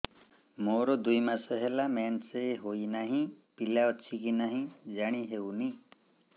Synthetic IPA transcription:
moɾod̪ujmasʌɦelamanseɦoinaɦĩpilaɔt͡ʃʰikinaɦĩd͡ʒaɽ̃iɦewni

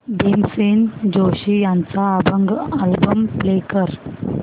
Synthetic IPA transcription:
ɖemsend͡ʑoɕijãnt͡saːbəŋɡalbəmplekəɾ

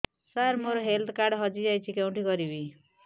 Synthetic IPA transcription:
saɾmoɾɔɦelt̪ʰkaɾɖɦɔd͡ʒid͡ʒajt͡ʃʰikew̃ɳʈikɔɾibi

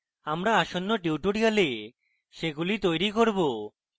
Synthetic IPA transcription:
amɾaaʃonːoʈiuʈoɾiale | ʃeɡulit̪ojɾikoɾbo

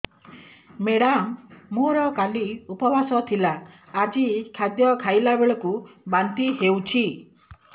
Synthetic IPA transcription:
meɽammuɾɔkaliupɔbʱasɔt̪ʰilaː | d͡ʒikʰad̪jɔkʰajlabeɭɔkubant̪iɦewt͡ʃʰi

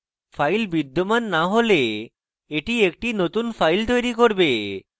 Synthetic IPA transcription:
fʰajlbid̪ːomanːaɦole | eʈiek̚ʈinot̪unfʰajlt̪ojɾikoɾbe

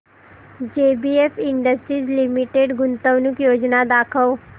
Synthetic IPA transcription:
d͡ʒeːbiefiɳɖəsʈɾiːzlimiʈeːɖɡʊnt̪əʋnukjoːd͡ʒnad̪aːkʰəʋ

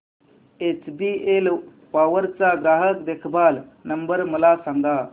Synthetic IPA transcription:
et͡ʃbiel | paʋəɾt͡saɡɾaːɦəkd̪ekʰbalnəmbəɾməlasaŋɡa

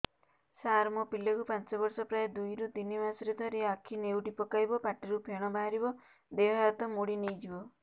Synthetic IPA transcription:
saɾmɔpilɔkupant͡ʃɔbɔɾsɔpɾaed̪ujɾud̪inimasɔɾed̪ʱɔɾiakʰinewʈipɔkajbɔpaʈiɾupeɽ̃ɔbaɦaɾibɔ | d̪eɦaat̪ɔmuɽinejd͡ʒibɔ

